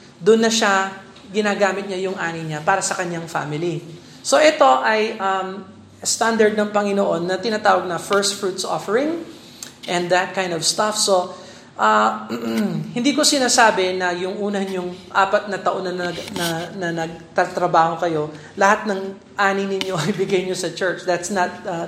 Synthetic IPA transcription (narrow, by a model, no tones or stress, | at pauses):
d̪ʊnːɐʃa | ɡɪnaːɡaːmɪt̪̚ɲajʊŋʔaːnɪjɲapaːɾɐsɐkɐɲaŋfa̰ːmɪli | so̞ʔɛt̪o̞ʔɐjʔɐm | st̪and̪ɐɹd̪̚nɐŋpɐŋɪnoʔo̞nːɐt̪ɪnaːt̪aːwɐɡ̚nɐfɛɹst̪fɹut̪so̰fɛɹɪŋ | ʔɛ̃nd̪d̪ɐt̪̚kajnd̪ovst̪afso̞ | ʔɐ | hɪnd̪iːko̞sɪnaːsaːbɛnɐjʊŋʔuːnɐɲʊŋʔaːpɐt̪̚nɐt̪ɐʔo̞nːɐnɐɐnɐnɐnɐɡ̚t̪ɐt̪ɾɐbaːho̞kɐjo̞ | lɐhat̪̚nɐŋ | ʔaːnɪjnɪɲjo̞ɐjbɪɡajɲosɐt͡ʃɛɹt͡ʃd̪at̪snɐt̪̚ː